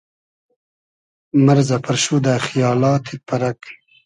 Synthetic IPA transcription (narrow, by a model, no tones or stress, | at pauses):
mɐɾzapɐɾʃud̪axijɑːlɑːt̪ʰepɐɾɐk